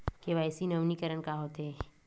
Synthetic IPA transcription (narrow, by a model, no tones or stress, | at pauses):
keʋaːɪsinɐʋnikəɾənkaɦoːt̪eɦɛ